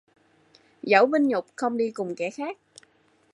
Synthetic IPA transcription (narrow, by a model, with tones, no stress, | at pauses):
zə˧˦wvï˧ŋɲʊ˨˩k͡p̚xə˧wŋ͡mɗi˧kʊ˨˩ŋ͡mkɛ˧˩xaː˦˥k̚